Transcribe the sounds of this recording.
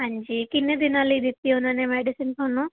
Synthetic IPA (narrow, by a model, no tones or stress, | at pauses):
ɐɲd͡ʒikinːid̪inaːlid̪it̪ːiunɐneːmeɖisinponu